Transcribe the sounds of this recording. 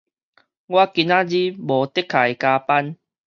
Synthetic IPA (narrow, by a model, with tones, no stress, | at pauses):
ɡwa˦ki˧na˦d͡ʑi˦bɔ˨˦t̪e˦˥kʰːa˨˩jkaː˧pa˦n